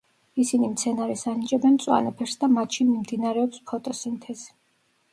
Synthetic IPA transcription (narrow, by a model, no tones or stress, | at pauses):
isinimt̪sʰɛnaɾɛsanit͡ʃʼɛbɛnt̪sʼwa̰nɔpʰɛɾsd̪amat̪ʃinmimd̪inaɾɛɔpspʰɔt̪ʼɔsint̪ʰɛz̥i̥